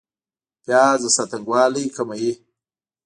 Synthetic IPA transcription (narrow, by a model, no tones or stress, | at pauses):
pjaːzəsat̪aŋɡwɑːlikamaji